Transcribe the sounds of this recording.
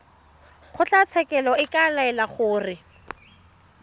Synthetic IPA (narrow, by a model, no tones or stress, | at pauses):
χʊt͡ɬat͡sʰɛkɛlɔɪkalaɛlaχʊːrɪ